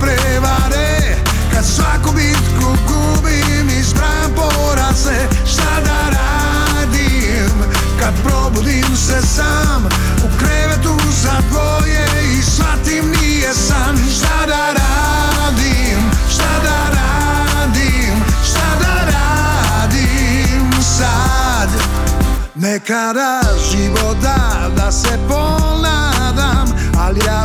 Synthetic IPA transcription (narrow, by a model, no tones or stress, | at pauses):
pɾe | βaɾe | kad̪sakubit̪kuku | bi | misbɾa | po | ɾaze | ʃt̪ad̪aɾa | d̪i | m | kad̪̚pɾobud̪imsesa | m | ukɾɛɾet̪u | zako | je | isfat̪imni | ɐsan | ʃt̪ad̪aɾa | d̪i | m | ʃt̪ad̪aɾa | d̪i | mʃt̪ad̪aɾa | d̪i | m | sa | d̪ | nekad̪aʒiʋot̪a | d̪asepona | d̪am | alijaː